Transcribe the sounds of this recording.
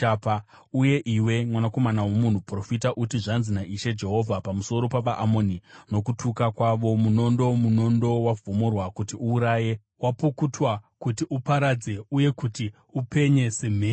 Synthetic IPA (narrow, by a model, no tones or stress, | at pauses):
apa | uje̞ʔiwe̞mwanako̞manawo̞mun̤upro̞fitaʔutiʐanzinaʔiʃe̞d͡ʒe̞ɦo̞vʱapamuso̞ɾo̞paʋaʔamo̞nino̞kutukakwaʋo̞muno̞ndo̞muno̞ndo̞wavʱumurwakutiuːɾaːje̞ | wapukutwakutiʔupaɾad͡ze̞uje̞kuti | upʰe̞ɲe̞se̞m̤eː